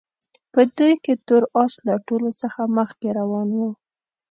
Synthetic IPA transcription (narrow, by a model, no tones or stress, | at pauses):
pəd̪ujket̪oɾɑslaʈolot͡səxaməxkeɾawɑnwu